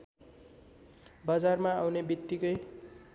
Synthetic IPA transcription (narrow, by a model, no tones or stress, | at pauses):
bʌd͡zarmaawnebit̪ːikʌj